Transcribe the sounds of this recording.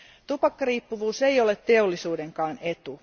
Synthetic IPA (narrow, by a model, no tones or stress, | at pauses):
t̪upɑkːɑriːpːuʋuːse̞jolet̪t̪e̞olːisuːde̞ŋkɑːne̞t̪u